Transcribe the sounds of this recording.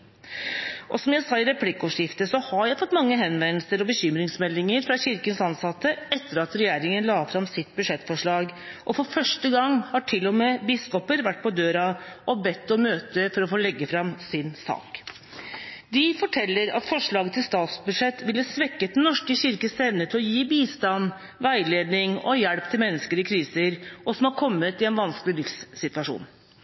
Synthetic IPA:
ʔɔsɔmjæɪsɑːɪɾɛpʰlɪkːɔʂɪft̪əsɔhɑɾjæɪfɔt̪ːmɑŋːəɦɛnʋɛnəlsəɾɔbəçʏmɾɪŋsmɛlːɪŋəɾfɾɑçɪɾkənsɑnsɑt̪ːəɛt̪ːəɾɑt̪ɾɛjæːɾɪŋənlɑːfɾɑmsɪt̪bʉʂɛt̪ːfɔʂɭɑːɡʔɔfɔɾfœʂʈəɡɑŋhɑʈʰɪlːɔmeːbɪskɔpəɾʋæʈ̚ːpʰɔd̪øːɾɑʔɔbɛt̪ːɔmøːt̪əfɔɾɔfoːlɛɡːəfɾɑmsɪnsɑ̰ːk | d̪ɪfɔʈʰɛlːəɾɑ̰t̪fɔʂɭɑːɡət̪ʰɪlst̪ɑːt̪sbʉd̪ʂɛt̪ːʋɪlːəsʋɛkːət̪̚d̪ɛnnɔʂkəçɪɾkəst̪eːnət̪ʰɪlɔjiːbiːst̪ɑn | ʋæɪleːd̪nɪŋɔ̰jɛɽpt̪ʰɪlmɛnːəskəɾɪkʰɾiːsəɾʔɔsɔmhɑɾkʰɔmːət̪ɪɛnʋɑnsklɪlɪfsːɪt̪ʋɑʂṵːn

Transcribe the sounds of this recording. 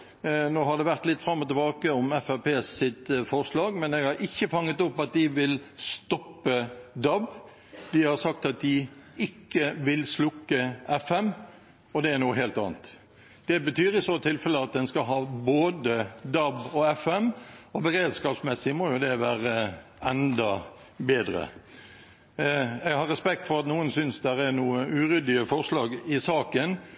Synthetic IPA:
noːhɑɖ̪ɛʋæʁt̪lɪt̪ːfɾɑmːɔt̪əbɑːkəɔmɛfæɾpʰeːsɪt̪fɔɾslɑːɡmɛnɛːɡhɑɾʔɪçːəfɑŋːət̪ʊpːɑt̪̚d̪ɪʋɪlst̪ɔpːəd̪ɑb | d̪ɪhɑɾsɑk̚t̪ɑt̪̚d̪ɪɪkːəʋɪlslʊkːəɛfɛm | ɔd̪ɛæɾnuːəɦeːlt̪ɑ̰ːnt̪ | d̪̥ɛbət̪ʰyːɾɪsot̪ʰɪlfɛləɑt̪̚d̪ɛnskɑɦɑːboːd̪əd̪ɑbɔɛfɛmɔbəɾeːd̪skɑːpsmɛsːɪmɔjʊd̪ɛʋæːɾə | ɛnd̪ɑ | beːd̪ɾə̰ | æɪhɑɾʁɛspɛkt̪fɔɾɑt̪nuːənsʏnsd̪æɾæɾnuːəʔʉːɾʏd̪ɪəfɔʁʂlɑːɡɪsɑːkən

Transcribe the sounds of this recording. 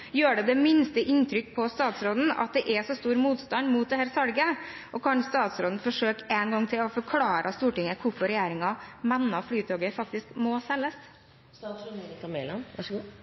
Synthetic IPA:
jøːɖɛd̪ɛmɪnst̪əʔɪnt̪ʰɾʏkːpʰɔst̪ɑːt̪sɾoːd̪n̩ɑ̰t̪̚d̪ɛʔɛsɔst̪uːɾmuːt̪st̪ɑnd̪muːt̪̚d̪ɛhæːɾsɑlɡəʔɔkʰɑnst̪ɑːt̪sɾoːd̪n̩fɔʂøːkɛːnɡɑŋːt̪ʰɪlɔfɔɾkʰlɑːɾʔəst̪uːʈɪŋːəkʰʊɾfɔɾɛjæːɾɪŋɑmɛnːɑflyːt̪ʰoːɡəɾfɑk̚t̪ɪskmɔsɛlːəs | st̪ɑʂnkɑmɛlɑn

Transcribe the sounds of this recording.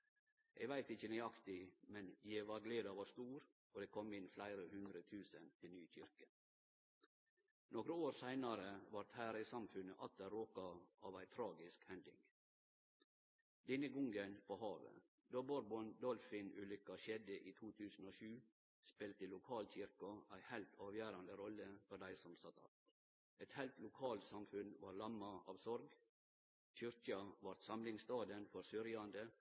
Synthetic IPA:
ʔeːɡʋæɪt̪ɪçənæɪɑkt̪ɪmɛnjeːʋɑɡleːd̪ɑʋɑst̪uːɾ | oːd̪eːkʰɔmɪnflæɪɾəhʉnd̪ɾət̪ʰʉːsənt̪ʰɪlnyːçʏɾkə | noːɡɾəoːɾsæɪnɑɾəʋɑɾt̪hæːɾisɑmfʉnəʔɑt̪̚d̪æɾoːkɑɑːʋæɪt̪ʰɾɑːɡɪskhɛnd̪ɪ̰ŋ | d̪ɛnəɡɔŋɡənpʰoːhɑːʋə̰ | d̪oːbɔɾbɔnd̪ɔlfɪnʉlʏkːɑɕɛd̪əʔiːt̪ʰuːt̪ʰʉːsn̩oːʃʉː | spɪlt̪əlʊkʰɑːlɕɪɾkɑæɪhæɪlt̪ʰɑːʋjæːɾɑnd̪əɾɔlːəfɔɾd̪æɪsɔmsɑt̪ʰɑ̰ | ɛt̪hæɪlt̪lʊkʰɑːlt̪sɑmfʉnʋɑːɾlɑmːɑɑːʋsɔɾɡ | c͡çʏɾkɑʋɑɾt̪sɑmlɪŋst̪ɑːd̪ənfɔɾsʏɾjɑnd̪ə

